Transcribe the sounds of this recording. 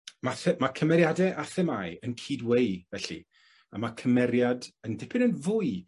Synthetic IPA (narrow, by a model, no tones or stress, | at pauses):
maθɛmakʰəmɛɾjadɛʔaθɛmajənkʰiːdwejvɛɬḭ | amakʰəmɛɾjadəndɪpʰɪnənvʊːɨ